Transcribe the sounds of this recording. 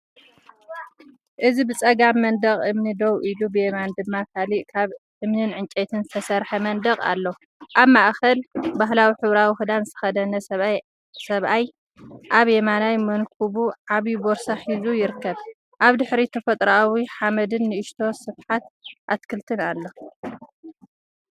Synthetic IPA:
ʔɨzibɨt͡sʼɐɡamːɐnd̪ɐχʼʔɨmnid̪owʔilubɨjemand̪ɨmːakʰaliʔkʰaβʔɨmnɨnʕɨnt͡ʃʼet̪ʰɨnzɨt̪ʰɐsɐɾħɐmɐnd̪ɐkʼa̰lːo | ʔaβmaʔxɐlbaɦlawiħɨβɾawixɨd̪anzɨt̪ʰɐxɐd̪ɐnɐɐ | sɐβʔaj | ʔaβjemanajmɐnkʰuβuʕaβiboɾsaħizujɪɾɨkːɐβ | ʔaβd̪ɨħɾit̪ʰɐfɐt̪ʼɾawiħamɐd̪ɨnːɨʔɨʃt̪ʰo̞sɨβħat̪̚ʔat̪kʰɨlt̪ʰɨnalːo

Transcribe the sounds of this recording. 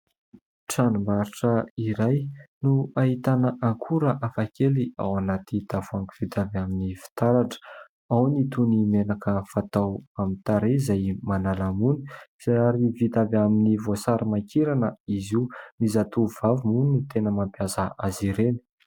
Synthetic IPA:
ʈ͡ʂanumbaɾiʈ͡ʂəiɾajnuaɦit̪anəʔaŋkʰuɾəʔafakʰelia̰wanat̪it̪avuaŋkuv̥it̪avaminifi̥t̪aɾaʈ͡ʂə̥ | awnit̪unimenakəfat̪awamint̪aɾezajmanalamuni̥z̥aaɾivit̪avaminivosaɾimakiɾanəizinizat̪uvavimunut̪enəmampjazəʔaziɾeni̥

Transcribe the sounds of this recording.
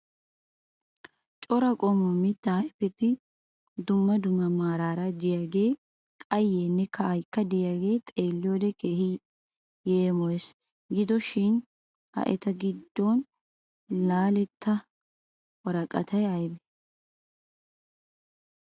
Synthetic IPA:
t͡ʃʼɔɾɐkʼɔmɔmɪt̪ːɐɐjpːɛt̪ɪ | d̪ʊmːɐd̪ʊmːɐmaːɾaːɾɐd̪ɪjaɡe̞ː | kʼɐjːeːnːɛkʰɐɐjkːɐd̪ɪjaɡe̞ːt̪ʼe̞ːlːɪjoːd̪ɛkʰeːhɪ | jeːmɔjes | ɡɪd̪ɔʃɪn | ɐ̰ʔɛ̰t̪ɐɡɪd̪ːɔn | laːlɛt̪ʰːɐ | wɐɾɐkʼɐ̰t̪ʰɐjɐjbɛ

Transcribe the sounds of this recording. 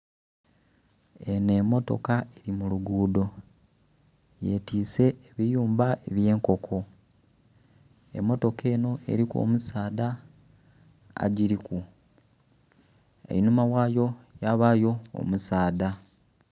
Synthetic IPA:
e̞nemːo̞to̞̰kae̞ɾimuluɡuːdo̞ | je̞tiːse̞ːβijuːmbae̞βje̞ːŋko̞kʰo̞ | ḛmːo̞to̞ke̞ːno̞e̞̰ɾiko̞̰musaːda | a̰ɟiɾiku | ḛinumawaːjo̞jaβajo̞̰ːmusaːda

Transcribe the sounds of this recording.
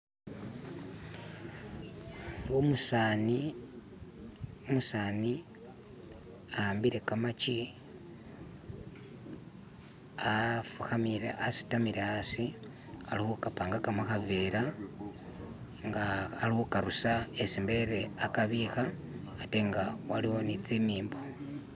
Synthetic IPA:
omusani | umusaːni | ambiɾe̞kamat͡ʃi | afuxamiɾḛʔasi̥tamiɾeasi | alihukapaːŋɡakamaxaveːɾa | ŋɡaːlihukaɾusaesimbe̞ɾe̞akaβixaateŋɡawaliwo̞nit͡simiːmbo

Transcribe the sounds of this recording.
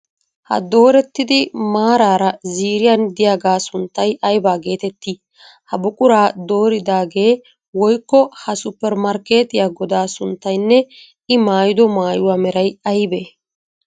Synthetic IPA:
hɐ̰d̪o̞ːɾɛt̪ːɪd̪ɪmaːɾaːɾɐziːɾɪjɐnd̪ɪjaːɡaːsʊnt̪ːɐjʔɐjbaːɡe̞ːt̪ɛt̪ːi | hɐbʊkʼʊɾaːd̪o̞ːɾɪd̪aːɡe̞ː | wɔjkːɔhɐsʊpːɛɾmɐɾke̞ːt̪ɪjaːɡɔd̪aːsʊnt̪ːɐjnːɛ | ɪmaːjɪd̪ɔmaːjʊwaːmɛɾɐjɐjbeː

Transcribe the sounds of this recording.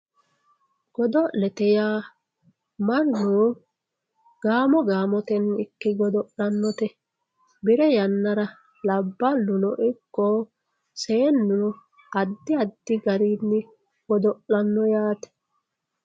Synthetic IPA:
ɡ̥ɔd̪ɔʔlɛt̪ɛjaː | mɐnːu | ɡ̥aːmɔɡaːmɔt̪ɛnɪkːɪɡɔd̪ɔʔlɐnːɔt̪ɛ | bɪɾɛjɐnːɐɾɐ | lɐbːɐlːʊnɔʔɪkːɔ | seːnːu | ɐd̪ːɪɐd̪ːɪɡɐɾiːnːɪ | ɡ̥ɔd̪ɔʔɐnːɔjaːt̪ɛ̥

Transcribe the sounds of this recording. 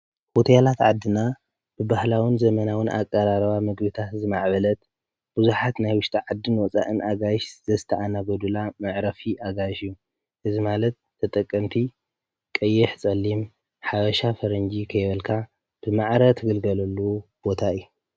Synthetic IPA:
hot̪ʰɐjalat̪ʕad̪ːɨna | b̥ɨbahlawɨnzɐmɐnawɨnʔa̰kʼːɐɾaɾβamɨɡbɨt̪ʰat̪zɨmaʕbɐlɐt̪ | b̥ɨzuħat̪najwʊʃt̪ʰʼaʕad̪ːɨnwɔt͡sʼa̰ʔɨnʔaɡajʃz̥ɐzɨt̪ʰɐʔanaɡɐd̪ulamɐʕɾɐfiʔaɡajʃɨjːu | ʔɨzimalɐt̪ʰːɐt̪ʼɐkʼːɐmt̪ʰi | kʼɐjːɪħt͡sʼɐlːim | ħaβɐʃafɐɾɐnd͡ʒikʰɐjbɐlkʰa | b̥ɨmaʕɾɐt̪ʰɨɡɨlɡɐlɐlːub̥o̞t̪ʰaɨjːu

